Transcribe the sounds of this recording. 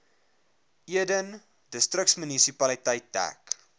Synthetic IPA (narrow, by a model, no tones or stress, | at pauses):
iədən | dəstrəksmynisipɐlitɐjtːæ̰k